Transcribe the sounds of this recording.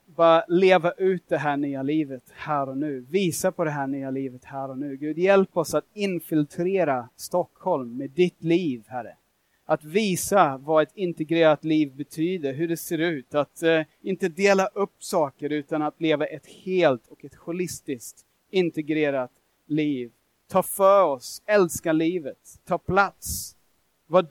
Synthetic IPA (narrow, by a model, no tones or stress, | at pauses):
bɑɾaleːvaʔʉ̟ːt̪̚d̪ɛɦæːɳyːaliːvət̪hæːɾɔnʉ̟ːviːsapʰɔd̪ɛɦæːɳyːaliːvət̪hæːɾɔnʉ̟ːɡʉ̟ːd̪jɛlpɔsat̪ɪnfɪlt̪ʰɾeːɾast̪ɔkhɔlmːed̪ɪt̪liːvhæɾə̰ | ʔat̪viːsavaɛt̪ɪnt̪ɛɡɾeːɾat̪liːvbɛt̪ʰyːd̪əɾɦɵɖɛseːɾʉ̟ːt̪at̪ɪnt̪əd̪eːlaʔɵpːsɑːkəɾʉ̟ːt̪anat̪leːvaʔɛt̪heːlt̪ʰɔkɛt̪ɧʊlɪst̪ɪskt̪ | ɪnt̪ɛɡɾeːɾat̪ | liːv | t̪ʰɑːfœɾɔsɛlskaliːvət̪ʰːɑːpʰlat̪s | va